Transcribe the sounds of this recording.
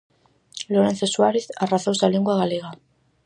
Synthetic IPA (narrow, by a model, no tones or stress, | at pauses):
loɾenθesuaɾeθaraθawsaleŋɡuaɣaleɣa